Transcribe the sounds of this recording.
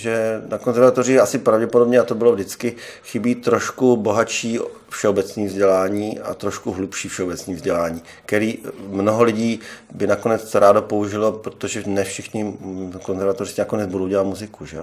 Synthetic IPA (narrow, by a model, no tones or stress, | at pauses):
ʒɛnakonzɛɾvat̪orɪasɪpɾavɟɛpodo̞bɲɛat̪o̞bɪlo̞vdɪt͡skɪxɪbiːt̪ɾo̞ʃkubo̞ɦaʃiː | fʃɛobɛt͡sniːvzɟɛlaːɲiːʔa̰t̪ɾo̞ʃkuɦlupʃiːfʃɛobɛt͡sniːvzɟɛlaːɲiː | kɛɾiːmnoɦo̞lɪɟiːbɪnako̞nɛt͡sɾaːdo̞pouʒɪlopɾot̪oʒɛnɛfʃɪxɲɪko̞nzɛɾvat̪orɪsɪnako̞nɛd͡zbudowɟɛlat̪muzɪkuʒɛ̰